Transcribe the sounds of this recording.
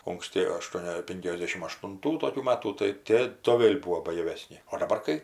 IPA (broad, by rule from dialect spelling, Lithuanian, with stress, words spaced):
ʊŋksʲˈtʲɪ ɐˈʃtuɔnʲɛ ˈpʲɪŋʲkʲɛzʲdʲɛʃʲɪm ɐʃtʊnˈtuː toːˈkʲuː ˈmɑːtuː tɐɪ ˈtʲeː toː ˈʋʲeːlʲ ˈbuːoː bɐjɛˈʋʲæːsʲnʲɪ oː dɐˈbɐr kɐɪ